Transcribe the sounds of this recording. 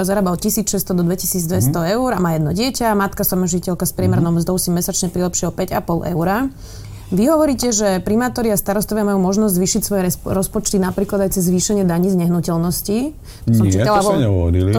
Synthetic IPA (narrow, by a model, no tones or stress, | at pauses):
zaɾaːbaɔcisiːt͡sʃɛst̪ɔd̪ɔd̪ʋɛcisiːd͡zd̪ʋɛst̪ɔɛuɾamaːjɛd̪nɔɟɪɛcamat̪kasɔmɔʒicɛʎkaspɾɪɛmɛɾnɔʊmzd̪ɔʊsimɛsat͡ʃɲɛpɾilɛpʃɪɛɦɔpɛɟapɔlʔɛ̰ʊɾa | ʋiɦɔʋɔɾiːcɛʒɛpɾimaːt̪ɔɾiast̪aɾɔst̪ɔʋɪamajuːmɔʒnɔzɟzʋiːʃicsʋɔjɛɾɔspɔt͡ʃt̪inapɾiːklad̪ajt͡sɛzːʋiːʃɛɲɪɛd̪aɲizɲɛɦnucɛlnɔsci | t̪sɔmt͡ʃit̪alaɔɲɛɦɔ̰ʋɔ̰ɾili